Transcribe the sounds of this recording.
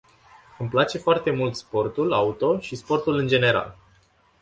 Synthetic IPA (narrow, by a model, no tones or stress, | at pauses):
ɨmplat͡ʃe̞foart̪e̞mult̪spo̞rt̪ulaut̪o̞ʃispo̞rt̪ulɨnd͡ʒe̞ne̞ɾa̰l